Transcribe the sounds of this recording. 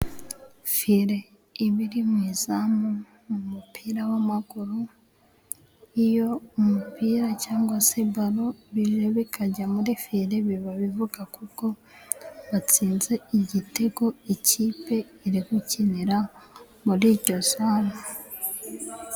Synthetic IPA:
fiɾe̞ | iβiɾimwiːzamo | mumupʰiːɾawamaɡ̥uɾu | ijo̞umupiɾacaːŋɡwasebaɾoβiʒoβikʰaɟamuɾifiɾeβiβaβivuɡakuko̞ | βat͡siːnze̞iɟite̞ɡo̞iciːpe̞ | iɾikuciniɾa | muɾiːɾɟo̞zaːɾo

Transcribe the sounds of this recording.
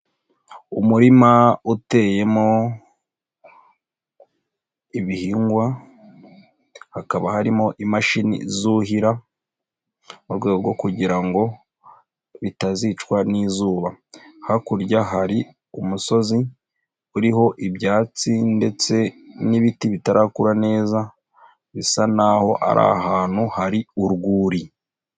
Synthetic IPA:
umuɾimaute̞je̞mo̞ | iβihiːŋɡwa | hakaβahaɾimo̞ʔimaʃinḭzuɦiɾa | muɾɡwe̞ɡoɡo̞kuɟiɾaŋɡo̞ | βitazit͡ʃkwaniːzuːβahakuɾjaɦaɾi | umuso̞zi | uɾiɦo̞ʔiβjaːt͡sinde̞t͡se̞niβitiβitaɾʔakuɾane̞ːza | βisanaho̞ʔa̰ɾʔa̰ɦaːn̥huhaɾiuɾɡuːɾi

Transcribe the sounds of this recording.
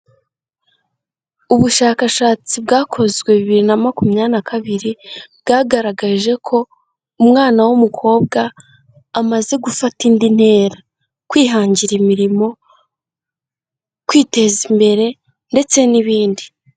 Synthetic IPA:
uβuʃaːkaʃaːt͡sib̚ɡaːkʰo̞zɡweβiβiɾinamakumɲanakʰaβiɾibɡaːɡaɾaɡaʒe̞kʰo̞ | umŋaːnawumukʰo̞ːb̚ɡaː | maze̞ɡufatindin̥he̞ːɾa | kwiːɦaːɲɟiɾimiɾimo̞ | kwiːte̞zimbe̞ɾe̞ | nde̞t͡se̞niβiːndi

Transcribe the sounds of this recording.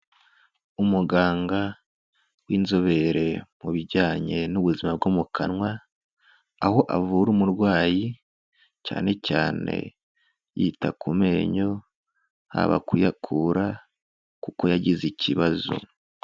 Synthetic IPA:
umuɡaːŋɡa | wiːnzo̞βe̞ɾe̞muβiɟaːɲe̞nuβuzimab̚ɡomukʰanŋwa | aho̞ʔavuɾumuɾɡwaːji | ca̰ːne̞caːne̞̰ | jitakʰume̞ɲo̞ | ha̰βa̰kujakʰuɾa | kuko̞jaɟizicʰiβazo̰

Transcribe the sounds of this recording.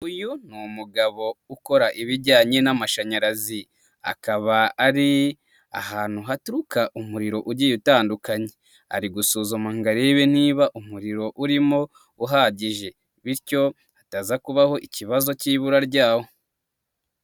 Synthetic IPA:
ujun̥umuɡaβo̞uko̞ɾaʔiβiɾɟaːɲe̞namaʃaɲaɾazi | a̰kaβaːɾi | a̰haːn̥huɦatuɾukaʔumuɾiɾo̞ʔuɟijutaːndukaɲe̞ | a̰ɾiɡusoːzomaŋɡaɾeβen̥iːβaʔumuɾiɾo̞ʔuɾimo̞ | uɦaɟiʒe̞ | βiɾco̞ | ataːzakuβaho̞ʔiciβazo̞ciːβuɾaɾɟaːho̞

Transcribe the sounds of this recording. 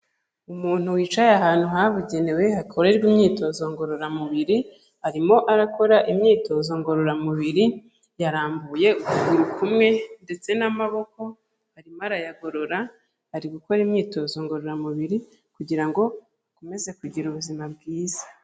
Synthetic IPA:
umuːn̥uwiːt͡ʃajaɦaːn̥huɦaβuɟe̞ne̞we̞hakʰo̞ɾe̞ɾɡwiːmɲiːto̞zo̞ŋɡo̞ɾo̞ɾamuβiɾi | haɾimo̞ʔaɾako̞ɾaʔimɲiːto̞zo̞ŋɡo̞ɾo̞ɾamuβiɾi | jaɾaːmbuje̞uuɡuɾukʰumŋe̞nde̞t͡se̞namaβo̞ko̞ | haɾimoaɾajaɡo̞ɾo̞ɾa | haɾiɡuko̞ɾimɲiːto̞zo̞ŋɡo̞ɾoɾamuβiɾi | kuɟiɾaŋɡo̞ | akome̞ze̞kuɟiɾuβuzimabɡiːzḁ

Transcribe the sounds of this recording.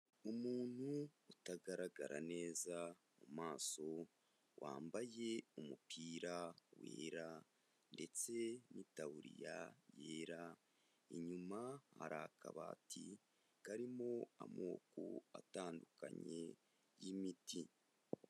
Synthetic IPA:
umuːn̥huːtaɡaɾaɡaɾʔane̞ːza | mumaːso̞ | wʔaːmbaje̞umupiːɾawḛːɾa | nde̞t͡se̞nitawuɾḭjaje̞ːɾa | iɲumahaɾakaβaːtʰi | kaɾimoamoːkoataːndukaɲe̞ | jimiti

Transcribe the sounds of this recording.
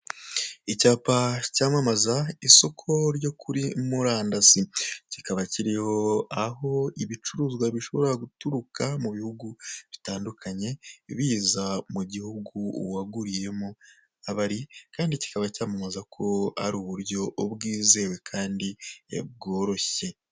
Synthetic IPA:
icaːpacaːmamazaiso̞kʰo̞ɾjo̞kʰuɾimuɾaːndasicikaβaciɾihoaɦo̞iβit͡ʃuɾuːzɡwaβiʃo̞βo̞ɾaɡutuɾukamuβihuɡuβitaːndukʰaɲe̞βiːzamuɟihuɡuwaɡuɾije̞mo | aβaɾikaːndici̥kaβacaːmamazakʰo̞a̰ɾuːβuɾjo̞ʔobɡiːze̞we̞kʰaːndiḛb̚ɡo̞ːɾo̞çe̞

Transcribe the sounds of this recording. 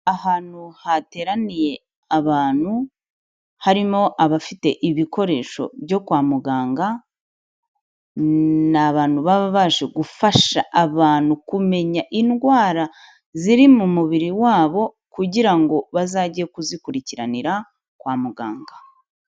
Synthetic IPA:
ahaːn̥uhate̞ːɾanije̞ | aβaːn̥hu | haɾimo̞ʔaβafite̞ʔiβiko̞ɾe̞ʃo̞̰bjɟo̞kwaːmuɡaːŋɡa | naβaːn̥huβaβaβaʒe̞ɡufaʃaʔaβaːn̥hukume̞ɲaʔinɡwaːɾa | ziɾimumuβiɾiwaːβo̞ | kuɟiɾaŋɡo̞βazaɟijekuzikuɾiciɾa̰niɾa | kwaːmuɡa̰ːŋɡḁ

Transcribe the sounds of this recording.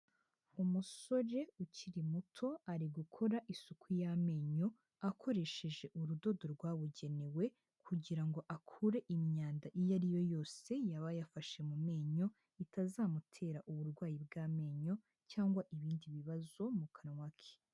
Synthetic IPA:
umuso̞ɾe̞uciɾimutʰo̞aɾiɡukʰo̞ɾaʔisukʰujame̞ɲo̞ | akʰo̞ɾe̞ʃe̞ʒe̞ʔuɾudo̞do̞ɾɡwaːβuɟe̞newe̞ | kʰuɟiɾaŋɡo̞ʔakʰuɾe̞ʔimɲaːndaʔijaɾijo̞jo̞ːse̞jaβajafaʃe̞mume̞ːɲo̞ | itʰazamutʰe̞ːɾaʔuβuɾɡwaːjib̚ɡaːme̞ːɲo̞ | caːŋɡwaʔiβiːndiβiβazo̞mukʰanŋwakʰe̥

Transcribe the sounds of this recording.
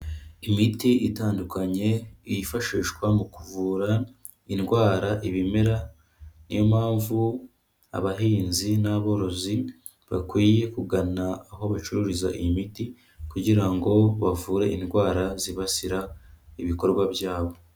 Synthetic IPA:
imitiʔitaːndukaɲe̞ijifaʃiːʃɡwamukuvuːɾa | inɡwaːɾaʔiβimeɾa | nḭjomaːɱvu | a̰βaɦiːnzinaβo̞ɾo̞zi | βa̰kwiːje̞kuɡanaːɦo̞βat͡ʃuɾuɾiza̰ʔimiti | kuɟiɾaŋɡo̞βavuːɾe̞ʔinɡwaːɾaziβasiɾaiβiko̞ɾɡwabjaːβo̞

